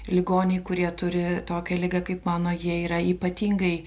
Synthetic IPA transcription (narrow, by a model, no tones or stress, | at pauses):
lʲɪɡoːnʲɛɪkʊɾʲiɛt̪ʊɾʲɪt̪oːkʲɛlʲɪɡɐkɐɪpmɑːnoːjiɛiːɾɐiːpɐt̪ʲiːŋɡɐɪ